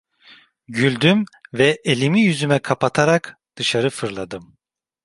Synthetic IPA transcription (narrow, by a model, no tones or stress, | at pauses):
ɟylʲd̪ymvɛʔelʲimijyzymɛkʰapat̪ʰaɾakd̪̥ɯʃaɾɯfɯɾlˠad̪ɯm